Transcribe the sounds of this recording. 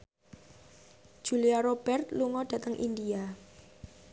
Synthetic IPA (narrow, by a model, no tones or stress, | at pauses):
ʒ̥ṳliaɾob̥ɛrt̪luŋɔd̥ä̤t̪əŋʔḭndia